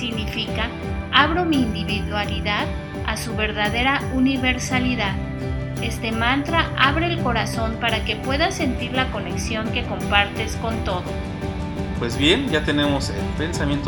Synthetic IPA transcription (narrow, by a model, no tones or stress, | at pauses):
siɣnifika | aβɾo̞miːnd̪iβiðwaliðað | asuβe̞ɾðaðe̞ɾauniβe̞ɾsaliðað | e̞st̪e̞mãnt̪ɾaʔaβɾe̞ːlko̞ɾaso̞mpaɾake̞pwe̞ðase̞nt̪iɾlako̞ne̞ksjo̞ŋke̞ko̞mpaɾt̪e̞sko̞nt̪o̞ð̞o̞ | pwe̞zβje̞nd͡ʒat̪e̞nemoselpe̞nsamjent̪